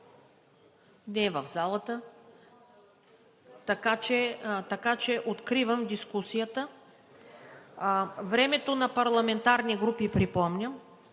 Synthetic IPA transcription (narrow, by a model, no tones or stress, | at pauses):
nɛvəvzalˠət̪ə | t̪ɐkat͡ʃɛt̪ɐkat͡ʃɛʔot̪kɾivəmd̪iskusijət̪ə | vɾɛmɛt̪onɐpɐɾlˠɐmɛnt̪aɾniɡɾupipɾipɔmnʲəm